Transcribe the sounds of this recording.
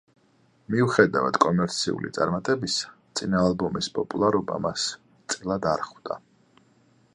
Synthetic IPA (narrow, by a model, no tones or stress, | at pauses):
miuχɛd̪ava̰d̪̥kʼɔmɛɾt̪sʰḭṵlḭt̪sʼaɾmat̪ʼɛbist̪sʼinaːlˠbɔmispʼɔpʼulˠaɾɔba̰mas | t̪sʼilˠad̪aɾχvd̪a̰